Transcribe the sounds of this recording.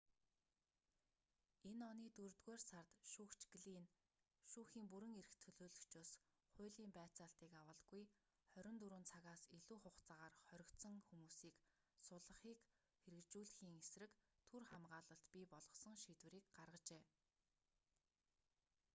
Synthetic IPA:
enɔniːt̪urt̪ɣeːrsart̪ʃuːkt͡ɕɡɮiːn | ʃuːxiːmpuɾɘ̆ŋeɾɘ̆xt̪ʰɵɮoːɮɵ̆kt͡ɕʰʊs | χʊ̟ːɮiːmpæːt͡saːɬt̪iːkawə̆ɮɡuj | χœɾʲɪ̆nt̪uɾuːnt͡sʰaɣaːsiɮuːχʊχt͡saʁaːrχœɾʲɪ̆kt̪sə̆ŋxumuːsiːk | sʊɮə̆χiːk | xeɾɘ̆kt͡ɕuːɮxiːŋesrɘ̆kt̪ʰurχamɢaːɮə̆ɬt̪pʲipɔɮɞ̆sɞ̆ŋʃit̪wɘ̆ɾiːkɢarʁə̆t͡ɕeː

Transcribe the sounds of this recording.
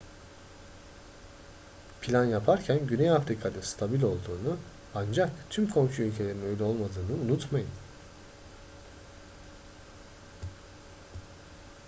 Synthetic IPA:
pʰilʲanjapʰaɾcʰænɟynejafɾikʰanɯnst̪ʰabilʲo̞lˠd̪uːnu | and͡ʒakt̪ʰymkʰo̞mʃuylʲcʰe̞lʲe̞ɾinø̞jlʲɛo̞lˠmad̪ɯːnɯunut̪majɯn

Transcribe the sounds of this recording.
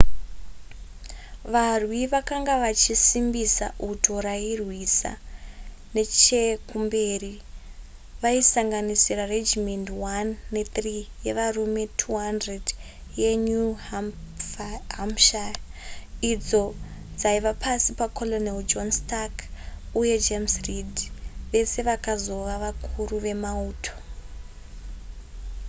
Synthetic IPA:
ʋarwiʋakaŋɡaʋat͡ʃisimbisa̰ʔutʰoɾairwisa̰ | ne̞t͡ʃekumbe̞ːri | ʋaisaŋɡanisirared͡ʒimendwanːe̞t̪rije̞ʋarume̞tʰuɦandred | jeɲu | fɦamʃa | id͡zo̞d͡zaiʋapʰasipakʰo̞loneld͡ʒonstakuje̞d͡ʒemsridʋe̞se̞ʋakazo̞ʋaʋakʰuruʋe̞mauːtʰo̞̥

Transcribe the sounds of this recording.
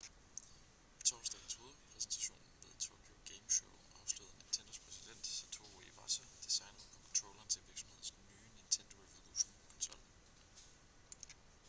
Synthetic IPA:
it͡sʰɒ̰ʊsd̥ɛ̰ɪɡn̩sho̝ːðˠɐpʰʁɛsn̩t͡sʰæ̥ɕo̝̰ːnn̩ʋe̝ð̰ˠt͡sʰoːkʰjo̝ɡ̥eɪmɕoʊɑ̈ʊsluð̰ˠnint͡sʰend̥ɐspʰʁɛsid̥en̰d̥sɒt͡sʰo̝oiʋɑ̰̈sæd̥isɑ̈ɪnɐpʰɔ̽kʰɒnt͡sʰʁɔʊlɐnt͡sʰeʋiɐɡ̥sɒ̽m̩he̝ð̞̰ˠsnyːnint͡sʰend̥o̝efelˠṵsnkʰɒ̽nsɒ̽l̰

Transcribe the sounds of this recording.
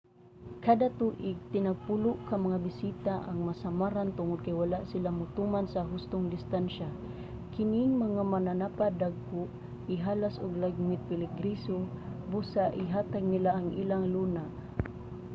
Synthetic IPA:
kad̪at̪uʔɪɡ̚t̪ɪnaɡ̚pulʊʔkamaŋabɪsit̪aʔa̰ŋmasamaɾant̪ʊŋʊd̪̚kajwalaʔsɪlamʊt̪umansaɦʊst̪ʊŋd̪ɪst̪anʃa | kɪniŋmaŋamananapad̪aɡ̚kʊʔ | ɪɦalasʊɡlaɡ̚mɪt̪̚pɪlɪɡɾisobusaʔɪɦaːt̪aɡ̚nilaʔaŋʔiːlaŋluna

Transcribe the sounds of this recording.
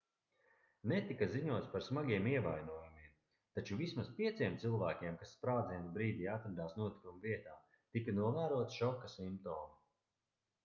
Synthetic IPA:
net̪ikaziɲuɔt̪spaɾsmaɡʲiɛmiɛvajnuɔjumiɛm | t̪at͡ʃuvismaspiɛt̪siɛmt̪sɨlˠvæːkʲɛmkasːpɾaːd̪zinbɾiːd̪iːat̪ɾad̪aːsnuɔt̪i̥kumviɛt̪aː | t̪ikanuɔvæːɾuɔt̪ʃɔkːasimpt̪ɔːmu

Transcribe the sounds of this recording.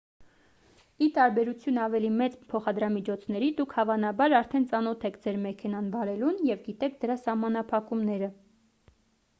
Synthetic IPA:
it̪ɑɾbɛɾut͡sʰjunɑvɛlimɛt͡spʰɔχɑd̪ɾɑmit͡ʃʰɔt͡sʰnɛɾid̪ukʰhɑvɑnɑbɑɾɑɾt̪ʰɛnt͡sɑnɔt̪ʰɛkʰd͡zɛɾmɛkʰɛnɑnbɑɾɛlunjɛvɡit̪ɛk̚ʰd̪əɾɑsɑhmɑnɑpʰɑkumnɛɾə

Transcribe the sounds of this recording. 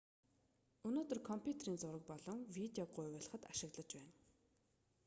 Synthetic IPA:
ɵnoːt̪ə̆rkʰɔmpʰʲjut̪eriːnt͡sʊɾə̆k̚pɔɮɞ̆ŋwit̪eɔɢʊjwːɮə̆χə̆t̪aʃɪ̆ɣɮə̆t͡ɕpæːn

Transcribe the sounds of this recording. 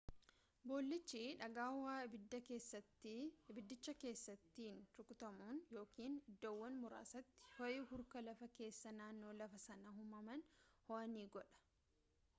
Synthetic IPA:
bo̞ːlːɪt͡ʃːiᶑɐɡaːwːaːbɪd̪ːɐkeːsːɐt̪ːɪbɪd̪ːɪt͡ʃːɐke̞ːsːɐt̪ːiːnt̪ʊkʼʊt̪ɐmuːnjo̞ːkiːnɪd̪ːoːwːɐnmʊɾa̰ːsɐt̪ːɪ̥hɔjɪhʊɾkɐlɐfɐke̞ːsːɐnaːnːo̞ːlɐfɐsɐnɐɦʊmɐmɐnhoɐniːɡɔᶑɐ̥

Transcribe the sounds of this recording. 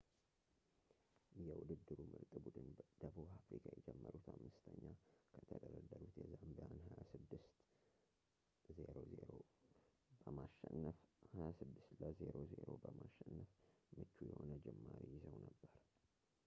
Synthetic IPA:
jɛwʊd̪ɨd̪ːɨɾumɨɾt̪ʼɨbud̪ɨnd̪əβuβafɾikʰajɛd͡ʒɛmːəɾut̪ʰamːɨst̪ʰəɲːakʰət̪ʰəd̪əɾəd̪ːəɾut̪jɛzːamd̪əanhajasɨd̪ːɨst̪ | ze̞ɾo̞zeɾo | bəmaʃɛnfhajasɨd̪ːɨst̪ləzeɾo̞zeɾo̞bəmaʃːɛnːəfmɨt͡ʃːujɛho̞nəd͡ʒɛmːaɾijɪzəwnəbːəɾ

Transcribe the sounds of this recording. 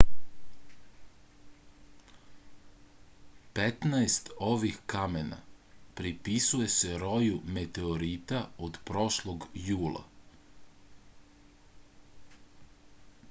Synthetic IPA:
pet̪naest̪o̞ʋixkamena̰pɾipisuje̞se̞ɾo̞jumet̪eoɾit̪aod̪pɾo̞ʃlˠoɡjuːlˠa̰

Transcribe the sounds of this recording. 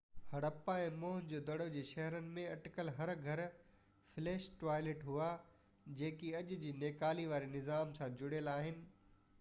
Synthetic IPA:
hɐɽəpaẽːmõːɦd͡ʑoːd̪ɐɽod͡ʑeːʃɐɦɾənɪ̆mẽɐʈkəlɦɐɾɡʱɐɾ | fɪleːʃʈʋaːɪleːʈɦua | d͡ʑẽːkiɐʄʊ̆d͡ʑiːneːkaːliʋaːɾinɪzaːmsãd͡ʑʊɽeːlaːɦɪnɪ̆

